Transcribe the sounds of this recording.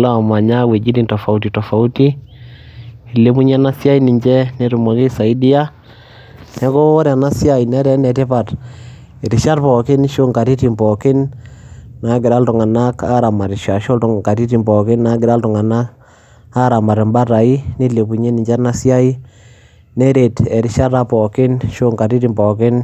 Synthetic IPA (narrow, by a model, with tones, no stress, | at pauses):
la˦˨ma˨ɲa˦we˨d͡ʒi˦di˦ntɔ˨fa˨u˦ti˨tɔ˨fa˨u˦ti˦ | i˨le˨˦pu˦ɲɛ˦na˦sja˦i˦ni˨ɲd͡ʒɛ˦ne˨˦ɾu˨ma˨ki˦sa˨i˦di˦a˦ | nɛ˦ko˦ɔ˦ɾa˨na˦sja˦i˨nɛ˦ɾɛ˦nɛ˨tɛ˦pa˨t | ɪ˨ɾɪ˨ʃa˦ɾpɔ˨kɪ˦n˦ʃo˦ŋka˨ti˦ti˨mbɔ˨kɪ˦n | na˨ɡɪ˨ɾa˦ltʊ˨ŋa˨na˦ka˦ɾa˨ma˨ɾɪ˨ʃa˨ʃo˦ltʊ˨ŋ˨ka˨ti˦ti˨mbɔ˨kɪ˦na˨ɡɪ˨ɾa˦ltʊ˨ŋa˨na˦k | a˦ɾa˨ma˨ɾɪ˨mba˦ɾa˨i˦ni˦le˨pu˨ɲe˦ni˨ɲd͡ʒɛ˦na˦sja˦i˦ | nɛ˦ɾe˨tɛ˨ɾɪ˨˦ʃa˦ɾa˦pɔ˨kɪ˦nʃo˦ŋka˨ɾi˦ti˨mbɔ˨kɪ˦n